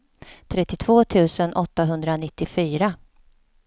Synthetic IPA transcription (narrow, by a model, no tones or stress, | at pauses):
t̪ʰɾɛt̪ːɪt̪ʰv̥oːt̪ʰʉ̟ːsənʔɔt̪ːaɦɵnd̪ɾanɪt̪ːɪfyːɾa